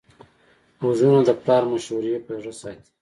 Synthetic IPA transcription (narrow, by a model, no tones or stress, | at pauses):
ozunod̪əplɑːɾmaʃuɾijepeʐəsɑjt̪